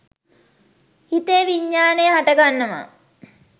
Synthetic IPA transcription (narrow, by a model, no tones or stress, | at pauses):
hit̪eʋiɲːaːnejɦaʈəɡanːəma̰